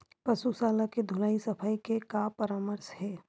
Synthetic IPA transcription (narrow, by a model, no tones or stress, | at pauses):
pɐsusaːlaked̪ʱʊlaːisɐpʰaːikekapəɾaːməɾshɛː